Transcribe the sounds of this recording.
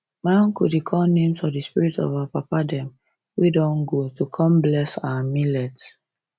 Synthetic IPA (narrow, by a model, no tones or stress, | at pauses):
mãnkudikʰɔnẽmsfɔdispiɹitɔ̰vapapadɛ̃m | widɔ̃nɡotukʰɔ̃mblɛsawamilɛt